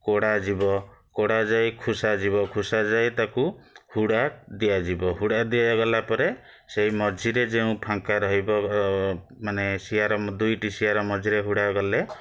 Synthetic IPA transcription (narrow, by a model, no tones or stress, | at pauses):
koɽad͡ʒibɔkoɽad͡ʒajkʰusad͡ʒiβɔkʰusad͡ʒajt̪akuhuɽad̪ijad͡ʒibɔɦuɽad̪iabɔɡɔlapɔɾe | seimɔd͡ʒʱiɾed͡ʒeũpʰãŋkaɾɔɦibɔ | manesiaɾɔmd̪ujʈisiaɾɔmɔd͡ʒʱiɾeɦuɽaɡɔle